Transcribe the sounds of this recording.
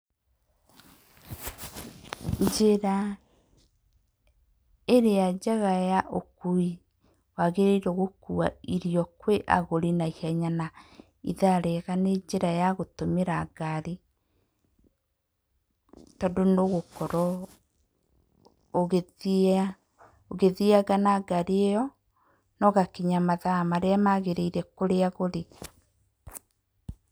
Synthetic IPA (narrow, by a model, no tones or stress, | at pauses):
d͡ʒeɾa | eɾead͡ʒaɣajaʔokui | waɣeɾeiɾoɣokua̰iɾiɔkweʔa̰ɣoɾinaihɛɲana | ḭðaɾeɣaned͡ʒeɾajaɣotomeɾaɡaɾi | tɔdonoɣokɔɾɔ | oɣe | oɣeðiaɡanaɡaɾeejɔ | nɔɣakiɲamaðamaɾeamaɣeɾeiɾɛkoɾeaɣoɾe